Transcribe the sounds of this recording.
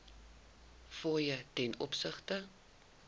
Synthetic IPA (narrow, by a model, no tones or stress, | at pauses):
fɔːjətɛnɔ̰psəχtə